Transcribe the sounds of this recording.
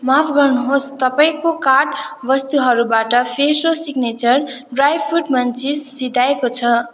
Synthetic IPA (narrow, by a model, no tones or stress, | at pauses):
mapʰɡʌrnuɦost̪ʌpaĩkokaʈ | bʌst̪uɦʌɾubaʈʌpʰesosiɡnet͡sʌr | ɖrajpʰuʈmʌnt͡sisːid̪ʱaekot͡sʰʌ